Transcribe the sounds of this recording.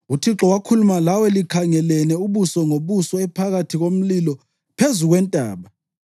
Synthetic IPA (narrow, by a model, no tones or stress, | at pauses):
utʰiǁɔwakʰulumalawɛlikʰaŋɛlɛnɛuβusɔŋoβusɔɛpʰaɣatʰiɣom̩lilɔ | pʰezuɣwɛntʼa̰ːβa